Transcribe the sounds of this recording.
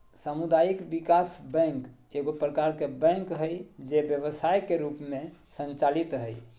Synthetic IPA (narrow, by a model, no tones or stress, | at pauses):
samud̪ajikbikasbə̃ŋk | eɡopɾəkaɾkebə̃ŋkɦəjd͡ʒebjəβəsajkeɾupmesə̃nt͡ʃalit̪ɦəj